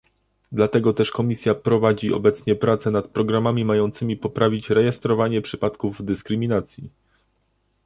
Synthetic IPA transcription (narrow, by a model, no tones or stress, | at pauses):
d̪lat̪ɛɡɔt̪ɛʂkɔmʲisʲjapɾɔvad͡ʑiʔɔ̰bɛt̪sɲɛpɾat̪sɛnat̪̚pɾɔɡɾamamʲimajɔnt̪sɘmʲipɔpɾavʲit͡ɕɾɛjɛst̪ɾɔvaɲɛpʂɘpat̪kuvd̪ɘskɾɘmʲinat̪sʲji